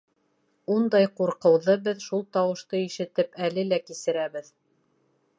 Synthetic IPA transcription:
und̪ɑjquɾqɤ̆wðɤbɘðʃulˠt̪ɑwɤ̆ʃt̪ɤiʃɘ̆t̪ɘpælɘlækisɘ̆ɾæβɘð

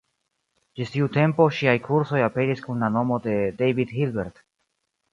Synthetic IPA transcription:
d͡ʒistiute̞mpo̞ʃiajkʰuɾso̞jape̞ɾiskunlano̞mo̞de̞dejvidhilbeɾt

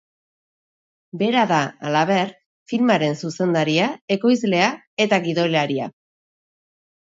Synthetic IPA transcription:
be̞ɾaðaa̰laβ̞e̞ɾ | filmaɾe̞nsuse̞nd̪aɾiae̞ko̞jzle̞a | e̞t̪aɣiðo̞jlaɾia̰

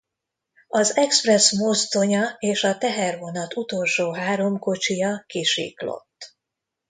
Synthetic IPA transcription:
ɒzɛksprɛsmost̪o̞ɲɒeːʃɒt̪ɛɦɛrvo̞nɒt̪ut̪o̞lʃoːɦaːɾo̞mko̞t͡ʃijɒkiʃḭːklo̞̰t̪ː

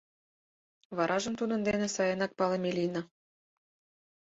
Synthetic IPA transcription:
βɑɾʔɑʒə̆mt̪unə̆nd̪enesɑjənɑk̚pɑlemelinɑ

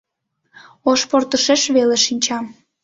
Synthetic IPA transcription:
oʃport̪əʃeʃβeleʃinʲt͡ɕɑm

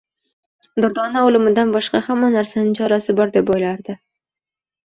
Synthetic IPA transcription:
d̪ʊɾd̪ɒnaolɪmɪd̪anbɒʃqɑhamːanaɾsanɪŋt͡ʃʰɒɾasɪbɒɾd̪e̞pojlaɾd̪ɪ

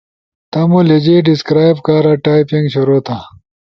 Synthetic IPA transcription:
t̪ɐmuled͡ʑiɖiskɾaːjbkaːɾaʈaːjpĩŋɡɕuɾoːt̪ʰa

